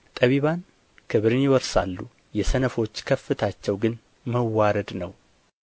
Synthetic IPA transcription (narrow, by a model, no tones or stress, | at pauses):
t̪ʼəβiβan | kʰəβɨɾɨnjɪwɔɾsa̰lːu | jɛsənəfo̞t͡ʃːkʰəfːɨt̪ʰat͡ʃːɛwɡɨn | məwːaɾəd̪nəw